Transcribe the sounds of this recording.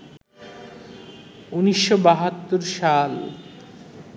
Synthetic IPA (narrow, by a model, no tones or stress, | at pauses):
uniʃːobaɦat̪ːoɾʃal